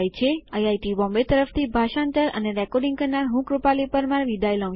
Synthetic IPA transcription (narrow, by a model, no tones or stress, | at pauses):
jt͡ʃʰeajajʈibɔ̃mbet̪əɾəft̪ʰibʱaʃãnt̪ələ̰neɾɛkɔɾɖĩŋɡkəɾnaɾɦũkɾupalipəɾmãɾʋid̪ʱajlə̃ʋ